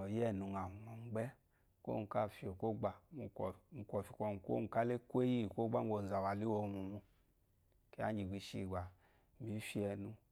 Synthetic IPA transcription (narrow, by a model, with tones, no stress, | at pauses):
ɔ˨jɛ˦˨nu˧ŋa˨mɔ˨m˨˦ɡ͡bɛ˦ | ko̰˦nu˧˨ka˦˨fi˨o˨ko˦ɡ͡ba˨u˧˨u˨˧kʷɔ˨fi̥˧˨kʷɔ˧n˨ko̰˦nu˨ka˦le˦kʷe˦ji˦˨kʷo˦ɡ͡ba˦o˧˨n̩˨za˨wa˨li˦wo˧˨˧mu˨mu˧ | ke˦a̰˦d͡ʒi˨ɡʷi˧˦ʃi˧˨ɡ͡ba˨ | mi˨˦fi˦ɛ˧nu˧